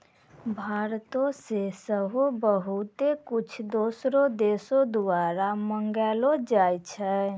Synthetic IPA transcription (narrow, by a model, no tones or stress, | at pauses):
bʱaɾt̪õsesəɦobəɦut̪ekut͡ʃʰd̪osɾod̪esod̪uaɾaməŋɡɛlod͡ʒajt͡ʃʰɛ